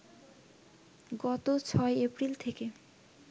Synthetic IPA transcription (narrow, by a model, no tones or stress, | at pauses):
ɡɔt̪ot͡ɕʰɔeepɾilt̪ʰeke